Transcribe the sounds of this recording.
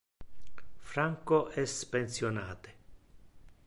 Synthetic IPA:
fɾaŋkoʔɛspensjona̰ːt̪e̥

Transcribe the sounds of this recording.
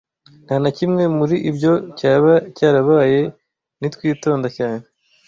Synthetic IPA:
n̥haːnacimŋe̞muɾiʔibɟo̞caːβacaːɾaβaːje̞ | nitwiːto̞ːndacaːne

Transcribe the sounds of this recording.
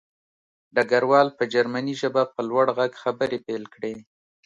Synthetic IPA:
ɖaɡaɾwɑlpəd͡ʒaɾmaniʒəbapəlwaɽɣaɡxabəɾepelkɽe

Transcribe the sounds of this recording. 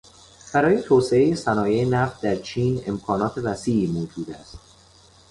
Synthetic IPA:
b̥æɾɒːje̞t̪ʰoːseeje̞sænɒːjejenæft̪̚d̪æɾt͡ʃʰiːne̞mkʰɒːnɒːt̪ʰe̞væsiːʔiːmoːd͡ʒuːd̪æst̪

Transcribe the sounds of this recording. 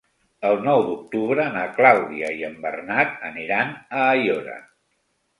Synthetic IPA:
əlˠnɔwd̪uk̚t̪uβɾənəklawðiəiəmbərnat̪̚əniɾanəːjoɾə̰

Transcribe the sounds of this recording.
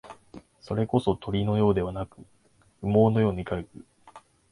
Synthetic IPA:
so̞ɾe̞ko̞so̞t̪ʰo̞ɾʲino̞jo̞ːd̪e̞βanakɯ̟ | ɸɯ̟mo̞ːno̞jo̞ːɲ̟ikaɾɯ̟kɯ̟

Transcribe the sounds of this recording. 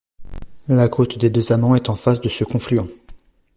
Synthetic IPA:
lakʰot̪d̪ed̪øzamɑ̃ɛt̪ɑ̃fasd̪əsəkɔ̃flyɑ̃

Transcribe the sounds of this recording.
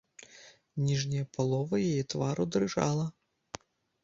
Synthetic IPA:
nʲiʐnʲɐjɐpalˠɔvɐjajɛt̪vaɾud̪rɨʐa̰lˠɐ

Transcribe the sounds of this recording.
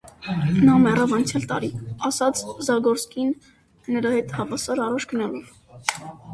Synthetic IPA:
nɑmɛrɑvɑnt͡sʰjɑlt̪ɑ̰ɾiɑsɑt͡sʰzɑɡɔɾt͡skʰinː | əɾɑhɛt̪hɑvɑsɑɾɑrɑt͡ʃʰɡənɑlɔv

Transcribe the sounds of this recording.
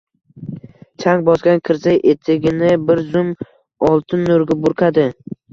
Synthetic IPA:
t͡ʃʰaŋbɒsɡʲankʲʰɪɾsajʔet̪ʰɪɡʲɪnɪbɪɾzʊm | ɒlˠt̪ʰɪnːoɾɡʲabʊɾqʰad̪ɪ

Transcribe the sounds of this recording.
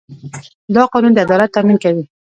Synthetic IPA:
d̪ɑqɑnund̪əad̪ɑlat̪ːaminkawi

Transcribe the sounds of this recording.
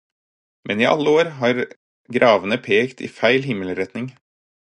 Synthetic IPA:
mʔɛniːʔɑ̰lːəoːɾɦɑːɾ | ɡɾʔɑːʋənəpʰeːkt̪ʰḭːfæɪlɦɪmːələɾɛt̪nɪŋ

